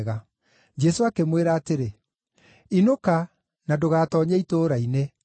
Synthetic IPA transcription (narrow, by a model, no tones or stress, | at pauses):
ɣa | d͡ʒɛsoakemweɾaːteɾe | inoka | nadoɣaːtɔːɲaitoːɾaine